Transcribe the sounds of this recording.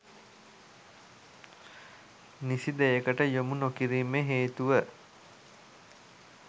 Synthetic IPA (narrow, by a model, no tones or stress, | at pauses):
nisid̪ejekəʈəjomunokiɾiːmeɦeːt̪uʋə